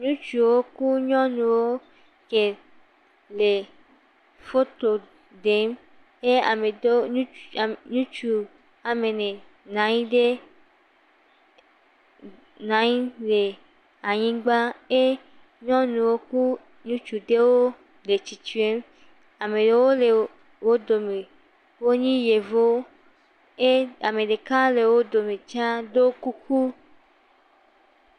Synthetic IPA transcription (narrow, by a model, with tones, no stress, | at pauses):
ɲũ˦t͡ʃu˨wo˦ku˦ɲɔ̃˦nũ˨wo˦ | ke˨ | le˨ | fo˦t̪o˨ | ɖe˨˦m | e˦a̰˨me˨do˦ũ˦˨ɲũ˦t͡ʃu˨ | a˨me˨nẽ˨ | nã˨ɲĩ˦ɖe˦ | nã˨˦ɲĩ˦le˨ | a˨ɲĩ˦ɡ͡ba˦e˦ | ɲɔ̃˦nũ˨wo˦ku˦ | ɲũ˦t͡ʃu˨d̪e˦wo˦ | le˨t͡ɕi˨t͡ʃu˦e˦m | a˨me˨ɖe˨˦wo˦le˨ | wo˦d̪o˨me˨ | wo˦ɲĩ˦je˨vo˦ | e˦a˨me˨ɖe˨ka˦le˨wo˦d̪o˨mẽ˨t͡ʃa˦d̪o˦ku˦ku˦